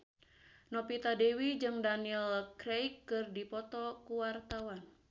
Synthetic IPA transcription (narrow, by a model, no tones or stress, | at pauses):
nɔpit̪adewid͡ʒɨŋdaniɛlkɾejkːɨrdipɔt̪ɔkuwart̪awan